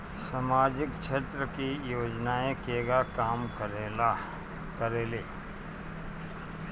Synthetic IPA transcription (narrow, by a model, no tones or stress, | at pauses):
samaːd͡ʒɪkt͡ʃʰeːt̪ɾəkijoːd͡ʒnaːẽkeːɡakaːm | kəɾeːleː